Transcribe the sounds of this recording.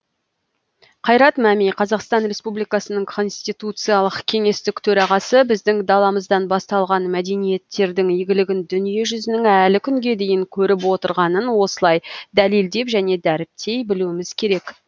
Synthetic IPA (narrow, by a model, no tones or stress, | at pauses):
qʰɑjɾɑt̪mæmijqʰɑzɑqst̪ɑnɾe̞spublijkɑsənəɴkʰo̞nst̪ijt̪ut̪sɨjɑlˠəqkʲʰe̞ŋe̞st̪ɪkt̪ʰɵɾɑʁɑsəbɪzd̪ɪŋd̪ɑlˠɑməzd̪ɑnbɑst̪ɑlˠʁɑnmæd̪e̞nije̞t̪ːe̞ɾd̪ɪŋijɡʲɪlɪɡʲɪnd̪ʏnije̞ʒʏzɪnɪŋælɪkʲʰʏŋɡʲe̞d̪e̞jɪŋkʲʰɵɾɪp̬wo̞t̪əɾʁɑnənwo̞səlˠɑjd̪ælild̪e̞pʒæne̞d̪æɾɪp̚t̪ʰe̞jbɪluwɪmɪz̥kʲʰe̞ɾe̞k